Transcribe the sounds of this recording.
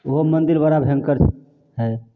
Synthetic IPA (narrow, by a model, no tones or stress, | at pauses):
oɦomənd̪iɾbaɾabʱẽŋkəɾt͡ʃʰ | ɦɛ